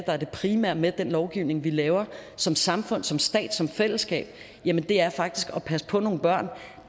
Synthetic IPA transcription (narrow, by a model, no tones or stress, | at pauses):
d̥ɑ̈æɐd̥e̝pʰʁimæɐ̰med̥enlɒʊɡ̥iʊne̝ŋʋilɛːʊɐsɒ̽msɑ̈mfɔ̽n̰sɒ̽msd̥ɛ̰ːd̥sɒ̽mfel̰əsɡ̥ɛ̰ːb̥̚ | jæmənd̥e̝æɐfɑ̈ɡ̥̚d̥isɡ̥ɒ̽pʰæsə̥pʰɒ̽no̝ːn̩b̥ɶɐ̰n